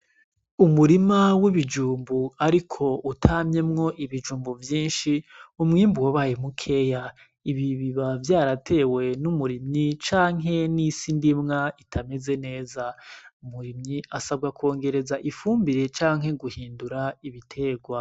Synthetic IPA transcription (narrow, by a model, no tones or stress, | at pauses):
umuɾimawiβid͡ʒuːmbuaɾikʰo̞ʔutʰaːmɲe̞mŋo̞ʔiβid͡ʒuːmbuvjiːnʃiumŋiːmbuwaβajemukʰe̞ja | iβiβiβavjaːɾatʰe̞we̞numuɾimɲit͡ʃaːŋɦe̞nisindimŋaitʰame̞ze̞ne̞ːzaumuɾimɲiasab̚ɡako̞ːŋɡe̞ɾe̞zaʔifuːmbiɾe̞t͡ʃaːŋɦe̞ɡuhiːnduɾaiβitʰe̞ːɡwa